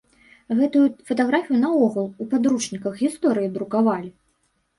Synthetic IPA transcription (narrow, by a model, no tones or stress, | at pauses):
ɣɛt̪ujufɐt̪aɣɾafʲijunɐɔɣulˠupad̪ɾuʂnʲikɐxɣʲist̪ɔɾɨjid̪ɾukavalʲi